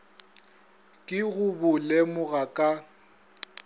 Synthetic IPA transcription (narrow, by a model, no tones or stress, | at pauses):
kʼɪɣʊbʊlɛmʊɣakʼa